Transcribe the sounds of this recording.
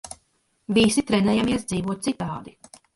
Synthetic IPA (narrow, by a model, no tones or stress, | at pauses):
visit̪ɾɛnɛːjamiɛsd̪ziːvuɔt̪̚sit̪ɑːd̪i